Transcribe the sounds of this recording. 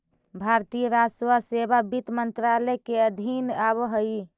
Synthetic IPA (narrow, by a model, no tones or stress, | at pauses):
bʱaɾt̪ijəɾaswasebabit̪mənt̪ɾalɛkeəd̪ʱinabɦəj